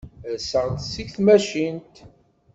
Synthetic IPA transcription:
ðsəʁnsiçθmæʃint̪

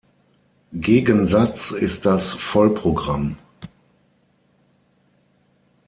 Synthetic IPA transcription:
ɡeːɡənzat͡sɪst̚d̥asfɔlpʁ̥oɡʁam

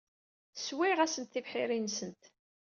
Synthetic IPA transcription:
swiʁæsənt̪θivħɪɾinsənt̪

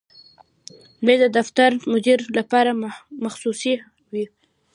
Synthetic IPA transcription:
led̪əd̪aft̪aɾmʊd̪iɾlapɑɾamaxsusi | wi

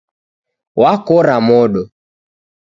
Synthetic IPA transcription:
wakɔɾamɔɗɔ

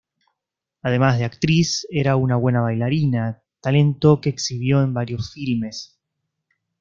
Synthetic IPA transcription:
aðe̞mazð̞e̞akt̪ɾiseɾaunaβwe̞naβ̞ajlaɾina | t̪ale̞nt̪o̞keːksiβ̞jo̞embaɾjo̞sfilme̞s

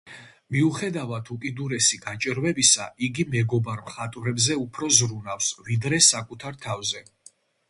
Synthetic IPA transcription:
miuχɛd̪avat̪ʰukʼid̪uɾɛsiɡat͡ʃʼɾvɛbisa̰iɡimɛɡɔbaɾmχat̪ʼvɾɛbzɛupʰɾɔzɾunafsvid̪ɾɛsakʼut̪ʰaɾt̪ʰavzɛ

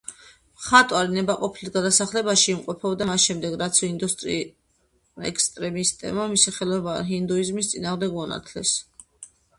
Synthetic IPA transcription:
mχat̪ʼwaɾinɛbaqʼɔpʰilisɡad̪asaχlɛbaʃiːmqʼɔpʰɛbd̪amasʃɛmd̪ɛɡɾat̪sʰɔind̪ust̪ʼɾi | ɛ̰kst̪ʼɾɛmist̪ʼɛ̰bmamisiχɛlˠɔbaɦind̪uizmist̪sʼinaːʁmd̪ɛɡmɔna̰t̪ʰlɛ̰s

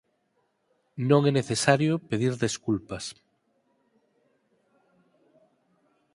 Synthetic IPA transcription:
nõŋeneθesaɾjopeðiɾðeskulpas

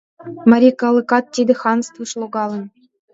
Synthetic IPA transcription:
mɑɾʲikɑlˠɤ̆kɑt̪̚tʲed̪ʲɘ̆xɑnst̪vuʂlˠuɡɑlʲˠɤ̆nʲ

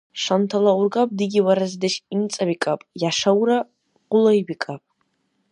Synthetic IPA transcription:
ʂantʰalaurɡapʼdɨɡʲiwaɾazdɨʃint͡sʼabikʼapʼjaʂawra | qʷʼʊlaibikʼapʼ

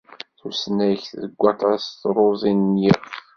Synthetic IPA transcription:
θusnæçθðəɡʷːɑt̪ˤɑst̪ɾˤoðˤinːjiʁ

